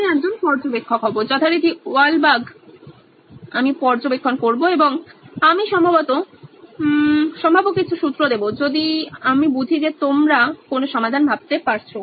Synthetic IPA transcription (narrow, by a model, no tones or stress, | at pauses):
ɛk̚d͡ʑonpɔɾd͡ʑobekʰːokɦɔboɾd͡ʑɔt̪ʰaɾit̪ialbaɡ | amipɔɾd͡ʑobekʰːonkoɾboeboŋamiʃɔmbʱabɔt̪o | ʃɔmbʱabokːit͡ɕʰuʃut̪ːɾod̪ebod͡ʑod̪iamibud̪ʱid͡ʑet̪omɾakonoʃɔmad̪ʱanbʱab̚t̪epaɾt͡ɕʰo